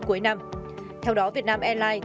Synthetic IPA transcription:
ku˨˦əjna˧mt̪ʰɛ˧wɗɔ˨˦vi˨˩ət̚naː˧mʔɛ˧laː˧j

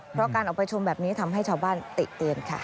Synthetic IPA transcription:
pʰɾɔ˦˥kaː˧nʔɔ˨˩pa˧jt͡ɕʰu˧mbɛː˨˩p̚niː˦˥t̪ʰa˧mɦa˥˩jt͡ɕʰaː˧wbaː˥˩nt̪ḭ˨˩ʔt̪i˧ənkʰa̰˦˥˩

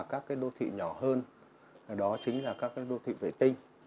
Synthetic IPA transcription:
kaː˦˥kːaː˨˦jɗo˧t̪ʰḭ˧˨ɲɔ˧˩həː˧n˨˩ | ɗɔ˨˦t͡ɕï˨˦ŋ̟laː˨˩kaː˦˥kːaː˨˦jɗo˧t̪ʰḭ˧˨vḛ˧˩t̪ï˧ŋ̟

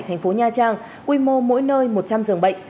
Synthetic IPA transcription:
jt̪ʰɛ˨˩ŋ̟fo˨˦ɲaː˧t͡ɕaː˧ŋ | kwi˧mo˧mo̰˧˥jnəː˧jmo˨˩t̚t͡ɕa˧mzɨ˨˩əŋɓə̰˧˨jŋ̟

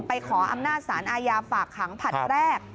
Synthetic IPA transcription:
pa˧jkʰɔː˩˦ʔa̰˧mnaː˥˩t̪̚saː˩˦nʔaː˧jaː˧faː˨˩kʰːa˩˦ŋpʰa˨˩t̪̚ɾɛː˥˩k̚

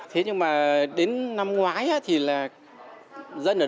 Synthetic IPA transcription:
t̪ʰe˨˦ɲɨ˧ŋmaː˨˩ɗe˨˦nːa˧mŋwaː˨˦jʔaː˧˥t̪ʰi˨˩laː˨˩ | zə˧nʔəː˧˩

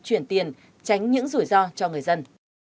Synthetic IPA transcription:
t͡ɕwi˨˩ənt̪i˨˩ən | t͡ɕa˨˦jŋ̟ɲɨ̰˧˥ŋzu˧˩əjzɔ˧t͡ɕɔ˧ŋɨ˨˩əjzə˧n

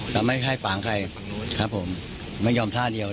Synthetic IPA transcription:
t̪ɛː˨˩ma˥˩jkʰa˥˩jfaː˩˦ŋkʰa˧j | kʰɾa˦˥pʰːo˩˦m | ma˥˩jɔː˧mt̪ʰaː˥˩di˧ə

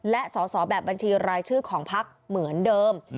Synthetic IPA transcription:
lɛ˦˥ʔsɔː˩˦sɔː˩˦bɛː˨˩p̚ba˧nt͡ɕʰiː˧ɾaː˧jt͡ɕʰɯː˥˩kʰɔː˩˦ŋpʰa˦˥k̚mɯ˩˦əndɤː˧m

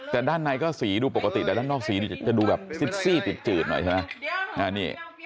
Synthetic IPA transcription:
t̪ɛː˨˩daː˥˩nːa˧jkɔː˥˩siː˩˦duː˧po˨˩kːa˧t̪iː˨˩˨daː˥˩˨nːɔː˥˩k̚siː˨˦niː˧˩t͡ɕa˨˩duː˧bɛː˨˩p̚si˨˦˩t̪̚siː˥˩t̪i˨˩t̪̚t͡ɕɯː˨˩t̪̚nɔ˨˩˦t͡ɕʰma˦˥na˧˩niː˥˩

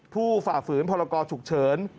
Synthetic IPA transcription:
pʰuː˥˩faː˨˩fɯː˩˦npʰɔː˧ɾa˧kɔː˧t͡ɕʰu˨˩k̚t͡ɕʰɤː˩˦n

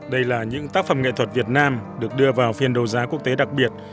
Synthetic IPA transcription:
ɗə˧jlaː˨˩ɲɨ̰˧˥ŋt̪aː˦˥k̚fə˨˧˩mŋḛ˧˨t̪ʰwə˨˩t̚vi˨˩ət̚naː˧mɗɨ˨˩ək̚ɗɨ˧əvaː˨˩wfi˧ənɗo˨˩zaː˨˦ku˦˥ək̚t̪e˨˦ɗa˨˩k̚ɓi˨˩ət̚

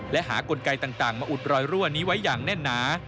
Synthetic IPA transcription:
lɛ˦˥ʔɦaː˩˦ko˧nka˧jt̪aː˨˩ŋt̪aː˨˩ŋmaː˧ʔu˨˩t̪̚ɾɔː˧jɾu˥˩əniː˦˥wa˦˥jːaː˨˩ŋnɛ˥˩nːaː˩˦˥

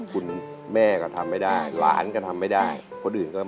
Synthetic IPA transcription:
kʰu˧n | mɛː˥˩kɔː˥˩t̪ʰa˧mːa˥˩jda˥˩jla̰ː˩˦nkɔ˥˩t̪ʰa˧mːa˥˩jdaː˥˩j | kʰo˧nʔɯː˨˩nkɔː˥˩

